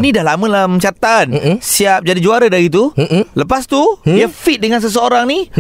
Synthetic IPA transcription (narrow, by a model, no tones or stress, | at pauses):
nidahlaməlamsat̪ansiap̚d͡ʒadid͡ʒuaɾadaɾit̪̬uləpast̪udiafit̪̚dəŋans̬əs̬əoɾaŋni